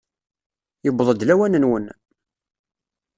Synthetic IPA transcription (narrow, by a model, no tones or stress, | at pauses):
jəbːðˤəd̪læwænənwən